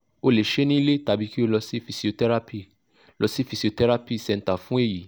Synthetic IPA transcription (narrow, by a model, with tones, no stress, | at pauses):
o˧le˨ʃe˦nĩ˦le˦ta˨bi˨˦ki˦o˧lɔ˧si˦fi˨si˨o˧tɛ˦ɾa˦pi˦˨˧ | lɔ˧si˦fi˨si˨o˧tɛ˦ɾa˦pi˦˨sɛ̃˨˧n̩˨ta˨fũ˦e˦˨ji˨˦